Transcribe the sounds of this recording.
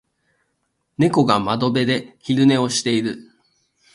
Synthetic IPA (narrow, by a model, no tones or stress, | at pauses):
ne̞ko̞ɡamad̪o̞be̞d̪e̞çiɾɯ̟ne̞o̞ɕi̥t̪e̞iɾɯ̟